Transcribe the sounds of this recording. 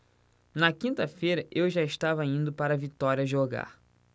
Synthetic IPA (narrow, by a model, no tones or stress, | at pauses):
nɐkĩnt̪ɐfejɾɐʔewʒaɪʃt̪avɐĩnd̪ʊpaɾɐvit̪ɔɾiɐʒoɡa̰ɾ